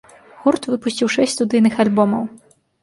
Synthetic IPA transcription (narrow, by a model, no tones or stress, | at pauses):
ɣurt̪vɨpusʲt͡sʲiwʂɛsʲtʲst̪ud̪ɨjnɨxalʲbɔmɐw